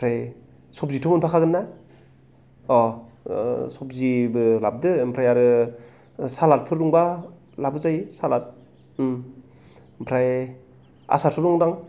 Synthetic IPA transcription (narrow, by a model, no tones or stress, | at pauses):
pʰɾaj | sɔp̚zitʰɔmɯnpʰakʰaɡɯnːa | ɔ | sɔp̚zibɯlab̚dɯmpʰɾajaɾɯ | salat̚pʰɯɾduŋba | labɯzajisalat̚ | mpʰɾaj | a̰saɾpʰɯɾɔŋdaŋ